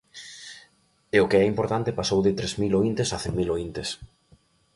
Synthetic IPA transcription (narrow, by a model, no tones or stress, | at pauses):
eʊkeɛimpoɾt̪ant̪ɪpasowðɪt̪ɾezmiloint̪esaθeŋmːiloint̪es